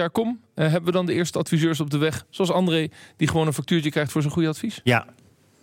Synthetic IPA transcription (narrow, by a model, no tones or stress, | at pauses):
aːɹkɔm | ɦɛbəʋədɑndəɪːɹstəɑtfizøːɹs̬ɔb̚dəʋɛχsoɑlˠsɑndrejd̥iχəʋownənfɑk̚tyːɹt͡ʃəkrɛjχtfʊːɹzənχujəɑtfisa